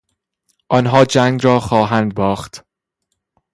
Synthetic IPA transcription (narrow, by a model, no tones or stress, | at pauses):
ʔɒnɦɒːd͡ʒæŋɡɾɒːxɒːɦænd̪̚bɒːxt̪